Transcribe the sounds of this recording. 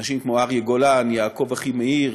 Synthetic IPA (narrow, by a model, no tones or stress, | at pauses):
ʃimkmoaʁjeɡolanjaːko̞vaχimeiʁ